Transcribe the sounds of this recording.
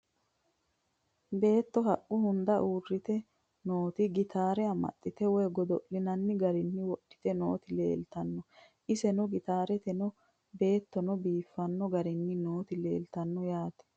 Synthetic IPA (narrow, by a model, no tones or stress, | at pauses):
be̞ːt̪ːɔɦɐʔʼːʊhʊnd̪ɐʔuːrːɪt̪ɛ | noːt̪ɪɡɪt̪aːɾɛɐmɐ̰t̪ʼːɪt̪ɛwɔjɡɔd̪ɔʔlɪnɐnːɪɡɐɾɪnːɪwɔɗːɪ̥t̪ɛno̰ːt̪ɪle̞̰ːlt̪ɐnːɔ | ʔɪsɛnɔɡɪt̪aːɾɛt̪ɛnɔ | be̞ːt̪ːɔnɔbiːfːɐnːɔɡɐɾɪnːɪnoːt̪ɪle̞̰ːlt̪ɐnːɔjaːt̪ɛ̥